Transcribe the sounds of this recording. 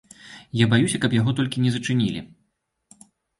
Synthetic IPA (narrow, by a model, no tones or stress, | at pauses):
jabajusʲɐkɐpjaɣɔt̪ɔlʲkʲinʲɛzɐt͡ʂɨnʲilʲḭ